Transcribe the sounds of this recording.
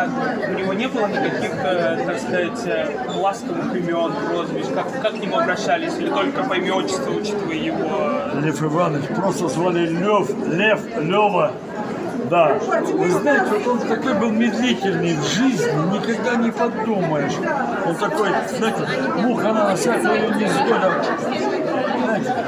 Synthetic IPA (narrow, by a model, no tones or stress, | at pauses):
ʊnʲɪvo̞nʲe̞bɨlˠənʲɪkɐkʲixət̪akskɐzatʲ | plˠask̪əvɨxɪmʲɪo̞nozvʲɪsʲkakkakjʲɪmuɐbɾɐɕːælʲɪsʲɪlʲɪt̪o̞lʲkəpɐɪmʲɪot͡ɕːɪ̥st̪vəʊt͡ɕi̥t̪əvəjəjɪvo̞lʲefɨvanəfpɾost̪əzvalʲɪlʲoflʲeflʲovə | d̪avɨznajɪtʲɪot̪o̞nt̪ɐko̞jbɨlˠmʲɪd̪lʲitʲɪlʲnʲɪʐɨzʲnʲɪnʲɪkɐɡd̪anʲɪpɐd̪uməjɪʂ | ont̪ɐko̞jznajɪtʲɪ | muxɐnanɐfsʲakəɪjonʲɪzd̪olʲɐp̚t͡ʃɪəs | znajɪt̪ʲɪ